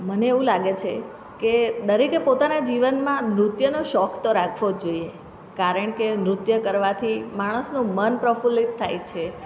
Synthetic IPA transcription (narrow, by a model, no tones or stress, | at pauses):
məneːʋũlaɡet͡ʃʰe | ked̪əɾikepot̪anad͡ʒiʋənmãmɾut̪jənoʃɔkt̪oɾakʰʋod͡ʒoie | kaɾəɳ̃kemɾʊt̪jəkəɾʋat̪ʰimaɽ̃əsnũmənpɾəfulit̪ʰːajt͡ʃʰe